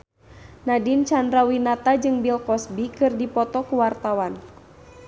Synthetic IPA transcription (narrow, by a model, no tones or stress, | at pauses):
nadint͡ʃandɾawinat̪ad͡ʒɨŋbilkɔsbikɨrdipɔt̪ɔkuwart̪awan